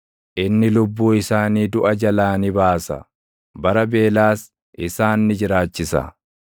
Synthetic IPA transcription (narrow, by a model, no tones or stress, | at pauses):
ʔɪnːɪlʊbːuːɪsaːniːd̪ʊʔɐd͡ʒɐlaːnɪbaːsɐ̰ | bɐɾɐbe̞ːlaːs | ʔɪsaːnːɪd͡ʒɪɾaːt͡ʃːɪsɐ̰